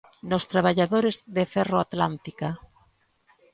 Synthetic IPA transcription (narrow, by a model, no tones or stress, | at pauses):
nost̪ɾaβ̞aʎaðoɾezðefɛroat̪lant̪ika